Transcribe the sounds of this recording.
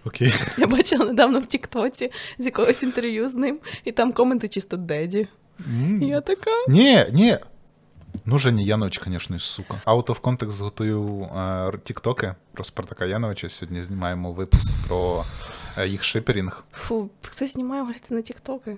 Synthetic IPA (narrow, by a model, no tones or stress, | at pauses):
ɔkʲejjabat͡ʃɪlˠɐned̪ɑʋnɔwtʲikt̪ɔt͡sʲizʲjɐkɔɦɔsʲint̪erʋʲjuznɪmit̪amkɔment̪ɪt͡ʃist̪ɔd̪ɛdʲi | jat̪ɐkanʲenʲe | nuʒɛnʲijanɔʋɪt͡ʃkɐnʲɛʃnɔisukɐɑt̪ɔwkɔnt̪ɛkszɦɔt̪ujuw | tʲikt̪ɔkɪpɾɔspɾt̪ɐkajanɔʋɐt͡ʃsʲɔɦɔdʲnʲizʲnʲimɑjemɔʋɪpʊskpɾɔ | jixʃɪpʲɪɾʲinxfuxt̪ɔzʲzʲnʲimajɛɦʊlʲit̪ɪnɐtʲikt̪ɔkɪ